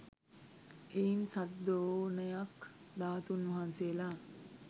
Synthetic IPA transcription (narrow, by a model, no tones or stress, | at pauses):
ejinsad̪d̪oːnəjak | d̪aːt̪unʋaɦansejəla